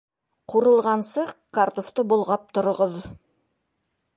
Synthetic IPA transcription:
qʰuɾɤ̆lˠʁɑnsɤkaɾt̪oft̪ɤbolˠʁɑp̚t̪ŏɾŏʁɤð

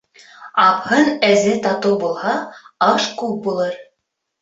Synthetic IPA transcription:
ɑphɤnæzɘt̪ɑt̪ubulˠhɑɑʃkuk̚bulˠɤɾ

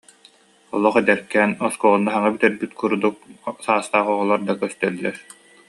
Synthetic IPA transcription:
ɔlˠɔːχɛd̪ɛɾkɛːnɔskɔʁnːaɦaŋabit̪ɛɾbyt̪kʰuɾd̪uk̚saːst̪aːχɔʁɔlˠaɾd̪akœst̪œlːɛɾ

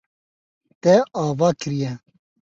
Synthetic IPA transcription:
t̪ɛaːvɑːkɨɾijɛ

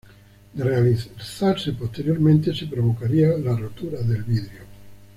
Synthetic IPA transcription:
realiθaɾsepost̪eɾjoɾmẽnt̪esepɾoβ̞okaɾialarot̪uɾaðelβiðɾeo

